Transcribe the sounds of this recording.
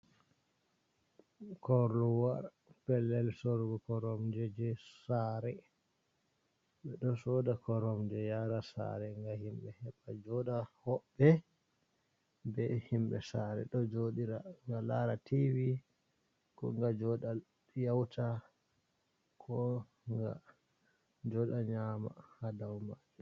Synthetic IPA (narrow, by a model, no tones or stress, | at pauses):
kɔɾluwaɾ | pɛlːɛlsɔɾɡɔkɔɾɔmd͡ʒɛd͡ʒɛsaɾɛ | ɓɛɗɔsɔdakɔɾɔmd͡ʒɛjaɾasa̰ɾɛŋɡahimɓɛhɛɓad͡ʒɔɗahɔɓːɛ | bɛhimɓɛ̰saɾɛ̰ɗɔd͡ʒoɗiɾaŋɡalaɾatiwi | kɔŋɡad͡ʒɔɗa | jawtʰa | kʰɔ | ŋɡa̰ | d͡ʒɔɗaɲama̰hadawmad͡ʒɛ